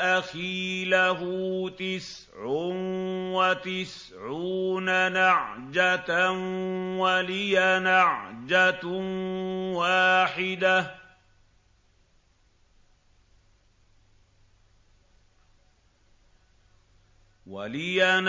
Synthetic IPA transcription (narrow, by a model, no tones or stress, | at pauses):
ʔaxiːlaɦʊt̪ɪs | ʕʊnwat̪ɪs | ʕuːnanaʕd͡ʒatnwalɪjanaʕd͡ʒanwaːħɪd̪a | wa̰lɪjan